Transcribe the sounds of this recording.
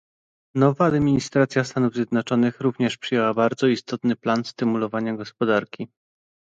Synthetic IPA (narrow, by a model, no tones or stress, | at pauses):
nɔvaːd̪mʲiɲist̪ɾat̪sʲjast̪anuvzʲjɛd̪nɔt͡ʂɔnɘxɾuvɲɛʂpʂɘjɛwabaɾd̪zɔist̪ɔt̪nɘplanst̪ɘmulɔvaɲaɡɔspɔd̪aɾkʲi